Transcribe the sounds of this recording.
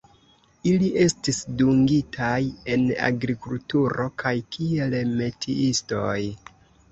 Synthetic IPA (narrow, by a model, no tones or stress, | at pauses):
iliʔe̞stisduŋɡitʰaje̞na̰ɡɾikultuɾo̞kʰajkʰie̞lme̞tʰḭʔisto̞j